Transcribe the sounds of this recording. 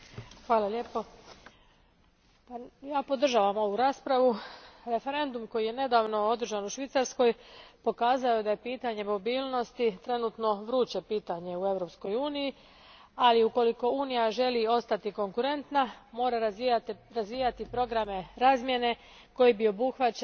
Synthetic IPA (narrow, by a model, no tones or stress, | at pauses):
xʋaːlˠaʎe̞po | pajaːpo̞d̪r̩ʒaːʋamo̞ʋuɾaːspɾaʋuɾe̞fe̞ɾe̞nd̪umko̞jijene̞d̪aːʋno̞o̞d̪r̩ʒanuʃʋit̪saɾsko̞jpo̞kaːzaod̪aje̞piːt̪aɲe̞mo̞biːlˠno̞st̪it̪ɾe̞nut̪no̞ʋɾuːt͡ɕepiːt̪aɲe̞ue̞ʋɾo̞psko̞juːniji | aliuko̞liko̞uːnijaʒe̞lio̞st̪at̪iko̞ŋkuɾe̞nt̪namo̞ːɾaɾt̪ɾazʋiːjat̪ipɾo̞ɡɾame̞ɾaːzmje̞ne̞ | ko̞jibio̞buxʋat͡ɕ